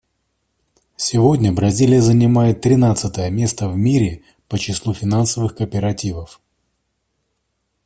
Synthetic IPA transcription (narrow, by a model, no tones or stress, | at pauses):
sʲɪvo̞dʲnʲəbɾɐzʲilʲɪjəzənʲɪmajɪt̪ːɾʲɪnat̪sɨt̪əjəmʲe̞st̪əvmʲiɾʲɪ | pət͡ɕɪslˠufʲɪnansəvɨxkəpʲɪɾɐtʲivəf